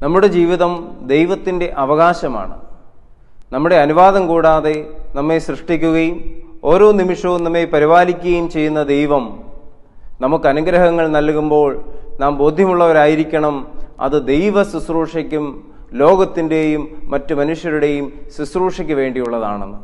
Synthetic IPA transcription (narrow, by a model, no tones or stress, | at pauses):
nɐmːuɽe̞d͡ʑiːʋiðɐmd̪e̞jʋɐt̪ːinde̞ʔɐʋɐɣaːɕɐma̰ːɳɨ̰ | nɐmːuɽe̞ɐnuʋaːðɐmkuːɽaːðe̞nɐmːeɕrɨʂʈikʲːuɣɐjumo̞ːɾo̞ːnimiʂɐʋumnɐmːepɐɾiʋaːlikʲːuɣɐjumt͡ɕe̞jːunːɐd̪e̞jʋɐm | nɐmukːɨɐnɐɡɾɐɦɐŋːɐɭnɐlkumbo̞ːɭnaːmbo̞ːd̪ʱjɐmuɭːɐʋɐɾaːjiɾikʲːɐɳɐmɐ̰ðɨd̪e̞jʋɐsusruːʂɐkʲːum | lo̞ːɡɐt̪ːinde̞jumːɐtːumɐnuʂjɐɾuɽe̞jumsusruːʂɐkʲːuʋe̞ːɳɖijuɭːɐða̰ːɳenːɨ